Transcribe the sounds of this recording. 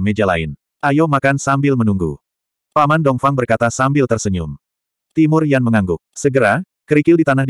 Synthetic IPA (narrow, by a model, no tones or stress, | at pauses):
med͡ʒala̰ɪn | ʔajomakansambɪlmənuŋɡu | pamandɔŋfaŋbərkat̪asambɪlt̪ərsəɲʊm | t̪imʊrjaŋməŋaŋɡʊk̚səɡəɾa | kəɾikɪldit̪anahd